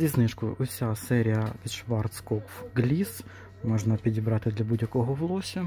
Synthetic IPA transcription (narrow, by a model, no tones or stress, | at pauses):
zʲisnɪʃkʊʊsʲasɛɾʲijɐpʲid̪ʃʋɑrt̪skɔpɡlʲis | mɔʒnɐpʲidʲibɾɑt̪ɪd̪lʲɐbudʲjɐkɔɦɔʋlˠɔʃʲɐ